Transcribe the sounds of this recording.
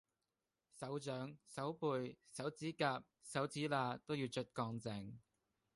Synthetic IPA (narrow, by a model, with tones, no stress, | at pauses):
sɐ˨˥wt͡ʃœː˨˥ŋsɐ˨˥wpuː˧jsɐ˨˥wt͡siː˨˥kaː˧p̚sɐ˨˥wt͡siː˨˥laː˧t̪o˥wjiː˧wt͡ʃʰɵ˥t̚kɔː˧ŋt͡sɛ˨˧ŋ